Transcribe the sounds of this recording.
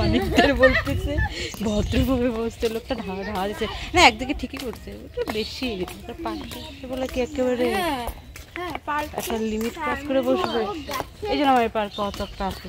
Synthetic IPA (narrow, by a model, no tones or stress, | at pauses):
ɔnikd̪eɾbolt̪et͡ɕebɔt̪ːɾobʱabebod͡ʑt̪elok̚ʈad̪ʱawad̪ʱawad͡ʑɛt͡ɕʰenaɛk̚d̪ikeʈʰikikoɾt͡ɕʰeoʈabeʃibit̪kapaɾkeʃebɔlekiɛkeβaɾe | ɛ̰kʈalimiʈkaskoɾeboʃbeejd͡ʑonamaepaɾkɔt̪ɔkʈasko